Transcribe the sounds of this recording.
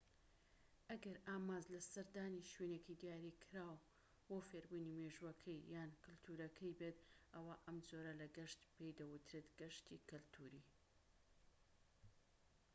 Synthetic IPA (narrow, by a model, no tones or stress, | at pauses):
ʔɐɡɐɾaːmaːzlɐsɐɾd̪aːniʃwenekid̪ijaːɾikʰɾaːw | wofeɾbunimeʒwɐkʰɐjjaːnkʰɨlt̪ʰuːɾɐkʰɐjbet̪ʔɐwaʔɐmd͡zoːɾɐlɐɡɐʃt̪pejd̪ɐwʊt̪ɾet̪ɡ̥ɐʃt̪ikɐlt̪ʰuːɾi